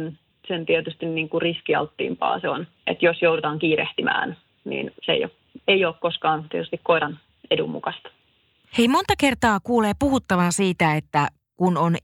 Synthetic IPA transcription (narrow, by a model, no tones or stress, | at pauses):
n | sent̪iet̪yst̪inniːŋkuriskiɑ̰lt̪ːḭːmpɑ̰ːseon | ʔḛt̪josjowdut̪ɑːŋkiːɾeht̪imʔæ̰ːn | nḭːnseḛjo̰k | eioːkkoskɑːnt̪iet̪yst̪ikkoiɾɑn | edṵmːṵkɑst̪ | eimont̪ɑke̞rt̪ɑːkuːleːpuhut̪ːɑʋɑnsiːt̪æet̪ːæ | kunon